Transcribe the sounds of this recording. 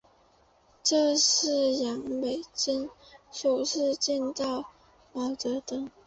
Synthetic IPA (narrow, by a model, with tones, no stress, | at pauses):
ʈ͡ʂɤ˥˧ʂɻ̩˥˩jɑ˧˥ŋpe˨˩ɪt͡ɕi˥ŋʂo˨˩ʊʂɻ̩˥˧t͡ɕɛ˥˧nt̪ɑ˥˩ʊ | mɑ˨˩ʊt̪ɤ˧˥t̪ɤ˥ŋ